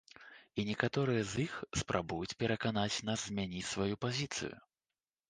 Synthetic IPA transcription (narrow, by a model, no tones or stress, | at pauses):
inʲɛkat̪ɔɾɨjɐzixspɾʔabujut͡sʲpʲɛɾɐkanat͡sʲnaszmʲɛnʲit͡sʲsvajupazʲit̪sɨ̰jṵ